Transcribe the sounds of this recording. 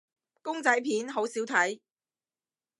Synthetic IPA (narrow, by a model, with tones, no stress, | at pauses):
kʊ˥ŋt͡sɐ˨˥jpʰiː˨˥nɦo˨˥wsiː˨˥wt̪ʰɐ˨˥j